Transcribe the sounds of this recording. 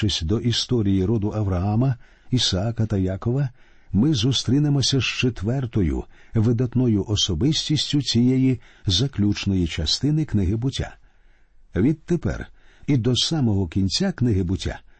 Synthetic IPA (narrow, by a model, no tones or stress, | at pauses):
ɪsʲd̪ɔʔist̪ɔɾʲijiɾɔd̪ʊʔɐʋɾɐamɐ | isɐakɐt̪ɐjakɔʋɐ | mɪzust̪ɾʲinɪmɔsʲɐʃt͡ʃet̪ʋɛrt̪ɔjʊ̰ʋɪd̪ɐt̪nɔjʊʔɔsɔbɪsʲtʲisʲtʲʊt͡sʲijɛjizɐklʲut͡ʃnɔjit͡ʃɐst̪ɪnɪknɪɦɪbʊtʲːa̰ | ʋʲid̪̚t̪epɛ̰rid̪ɔsamɔɦɔkʲinʲt͡sʲaknɪɦɪbʊtʲːa̰